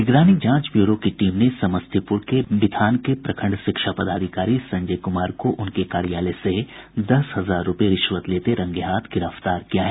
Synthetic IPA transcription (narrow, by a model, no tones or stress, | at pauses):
ɪɡɾaːnid͡ʒãːt͡ʃbjuːɾokiʈiːmnesɐməst̪ʰipʊɾkebɪd̪ʱaːnkepɾɐkʰə̃ɳɖʃɪkʃapɐd̪aːd̪ʱɪkaːɾisɐ̃ɲd͡ʒəːkʊmaːɾkoʔʊnkekaːɾijaːlesed̪ɐsɦɐzaːɾːʊpeɾɪʃʋət̪leːt̪eɾɐ̃ŋɡeɦaːt̪ʰɡɪɾəft̪aːɾkijaɦɛː